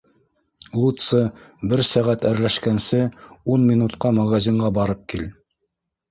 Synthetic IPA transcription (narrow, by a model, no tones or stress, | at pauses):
lˠut̪sɤbɘɾsæʁæt̪æɾlæʃkænsɘunmʲinut̪qɑmæʁɑzʲiɴɢɑbɑɾɤp̚kil